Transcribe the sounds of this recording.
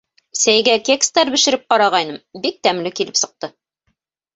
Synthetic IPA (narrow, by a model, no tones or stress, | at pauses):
sæjɡækʲekst̪æɾbɘ̆ʃɘ̆ɾɘp̚qɑɾɑʁɑjnɤmbik̚t̪æmlɘkilɘpsɤ̆q̚t̪ɤ